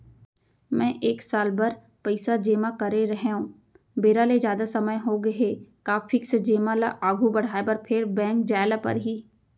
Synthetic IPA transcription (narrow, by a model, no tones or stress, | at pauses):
mɛ̃ːʔeːksaːlbɐɾ | pəɪsad͡ʒeːmakɐɾeɾɐɦeũː | beːɾaled͡ʒjaːd̪asɐməjɦoɡɐɦeːkaːfʰɪksd͡ʒeːmalaʔaːɡʱubɐɽ̤aːebɐɾpʰɪɾbɛ̃ːŋkd͡ʒaːlapɐ̰ɾɦiː